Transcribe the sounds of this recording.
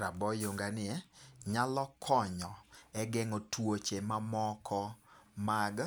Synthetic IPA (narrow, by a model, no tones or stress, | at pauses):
ɾabɔjoŋɡanɪɛɲalɔkʰɔɲɔɛɡɛŋotwot͡ʃemamɔkʰɔmaɡ